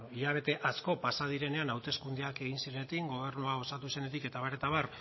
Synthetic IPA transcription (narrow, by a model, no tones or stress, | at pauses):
iʎaβ̞e̞t̪e̞ʔasko̞pasað̞iɾe̞ne̞anawt̪e̞skund̪eake̞ɣ̞insiɾenet̪iŋɡo̞β̞e̞ɾnuao̞sat̪use̞net̪ike̞t̪aβaɾe̞t̪aβ̞ar